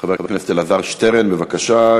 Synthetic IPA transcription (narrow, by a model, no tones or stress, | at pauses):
χabebkneset̪elaðaʁʃteʁenbevakaʃa